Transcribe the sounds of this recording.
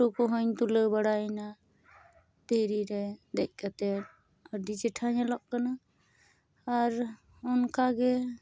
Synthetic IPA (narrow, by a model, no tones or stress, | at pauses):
okɔɦɔɲt̪uləwbaɽaɛna | t̪əɦɾiɾɛd̪ɛc̚ˀkat̪ɛɾ | əɾd̪it͡ʃɛʈʰaɲalɔʔkana | ɾ | ɔnkaɡɛ